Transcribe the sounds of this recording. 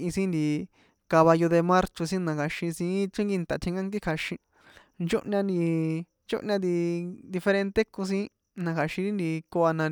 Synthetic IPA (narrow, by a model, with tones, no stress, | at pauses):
ĩ˧sĩ˦nd̪i˧ | ka˧βa˧jo˧ðe˧mã˦ɾt͡ʃo˧sĩ˦nã˧kʰa˨ʃĩ˧sĩ˧˦t͡ʃĩ˦ŋɡi˧nt̪a˨t̪ʰĩ˧ŋɡa˦ŋɡi˦kʰa˧ʃĩ˧ | nd͡ʒo˦ʔɲã˧nd̪i˧ | nt͡ʃo̰˦ʔɲã˧d̪i˧d̪i˧fe˧ɾẽ˧nt̪e˦ko˧s̬ĩ˦ | nã˧kʰa˨ʃĩ˧ɾi˦nd̪i˧ko˧a˧nã˧